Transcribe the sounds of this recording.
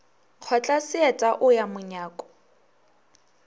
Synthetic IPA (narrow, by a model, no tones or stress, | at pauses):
q͡χʰɔt͡ɬʼasɪɛtʼaʔʊjamʊɲaːkʼɔ̥